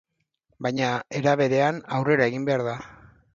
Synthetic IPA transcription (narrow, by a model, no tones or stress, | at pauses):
bajɲae̞ɾaβ̞e̞ɾe̞anawre̞ɾae̞ɣimbe̞aɾða